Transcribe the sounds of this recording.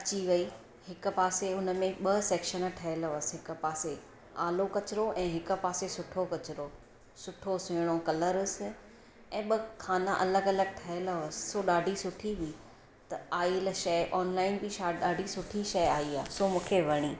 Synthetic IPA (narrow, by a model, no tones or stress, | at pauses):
ɐt͡ɕiʋɐi | hɪkʊ̆paːseʊnə̆mẽɓɐsɛːkʃən̆ʈʰɐɦɪləsɦɪkʊ̆paːse | aːlokɐt͡ɕɪɾoʔɛ̃ːɦɪkʊ̆paːsesʊʈʰokɐt͡ɕɪɾo | sʊʈʰosʊ̃ɪɽ̃okɐləɾsɪ̆ | ɛ̃ːɓɐkʰaːnaʔɐləɡɐləɡ̚ʈʰɐɦɪləsɪ̥̆soɗaːɖʱisʊʈʰiɦʊi | t̪ɐaːilʃɐɪʔɔːnlaːɪnbɪʃaːɗaːɖʱisʊʈʰiʃɐjaːiaːsomũːkʰeʋɐɽ̃iː